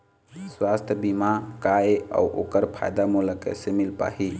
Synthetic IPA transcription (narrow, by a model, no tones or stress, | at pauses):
swast̪ʰjəbimakaea̰ʔo̰kəɾpʰa̰jd̪amuləkḛsemilpa̰ɦi